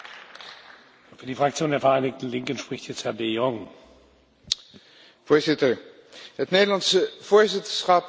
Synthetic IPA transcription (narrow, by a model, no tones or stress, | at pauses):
fyːɐdiːfʁ̥ak̚t͡sjoːndeːɐfɛɐʔaɪnɪk̚tn̩lɪŋkənʃpʁ̥ɪçtjɛt͡sthɛɐdejɔŋ | v̥oːɹzɪtəɹ | ɦətnejdəlɑnsəv̥ʊːɹzɪtəsχɑp